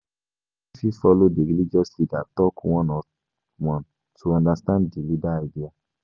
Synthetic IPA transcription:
fifɔlodeɾilid͡ʒɔsidatɔkũw̃ɔ̃nɔ̃ | wɔ̃n | tʰuãndastãndilidaadia

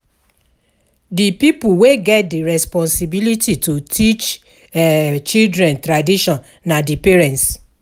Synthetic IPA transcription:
dipipuweɡɛt̚diɹɛspɔ̃nsibilititutʰit͡ʃ | ɛt͡ʃildɾɛ̃ntɾadiʃɔ̃nːadipeɹɛ̃nts

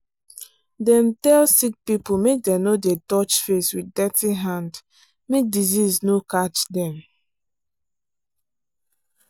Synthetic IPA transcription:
dɛ̃mtɛlsik̚pipumek̚dɛ̃nodɛtɔt͡ʃfeswiddɛtiɦãnd | mek̚diziznokat͡ʃdɛ̃m

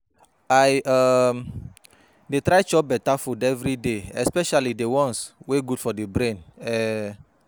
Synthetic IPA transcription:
aɪa | detɾaɪt͡ʃɔp̚bɛtafudɛvɾideɛspɛʃalidewɔ̃nsweɡudfɔdebɾẽnɛ

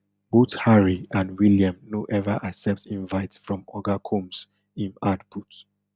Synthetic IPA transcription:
b̥othaɹiãndwiljãmnoʔɛvaʔasɛp̚tĩɱvaɪtfɹɔ̃mɔɡakʰõms | ĩnadbut

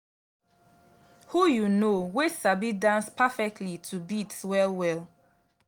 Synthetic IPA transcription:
hujunowesabidãnspafɛk̚tʰlitʰubitswɛlwɛl

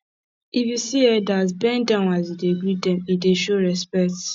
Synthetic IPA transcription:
ivisiɛdat̬bɛ̃ndãʊ̃nazideɡidɛ̃mideʃoɾɛspɛk̚t

